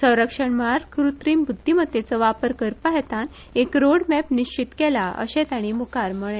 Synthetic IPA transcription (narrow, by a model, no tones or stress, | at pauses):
sə̃w̃ɾəkʂəɳməɭaɾkɾut̪ɾiːmbud̪ʱːimət̪ːet͡səʋapəɾkəɾpəɦɛt̪an | ekɾoɽmɛpniɕt͡ɕit̪kɛlaʔə̰ɕɛ̃t̪aɽ̃imukaɾməɭ̃ẽ